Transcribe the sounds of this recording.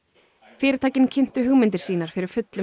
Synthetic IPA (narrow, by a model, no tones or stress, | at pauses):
fɪːɾɪt̪ʰaːcɪncʰɪn̥t̪ʏɦʏɣmɪnt̪ɪɾ̥siːnaɾ̥fɪɾɪɾ̥fʏt̪lʏ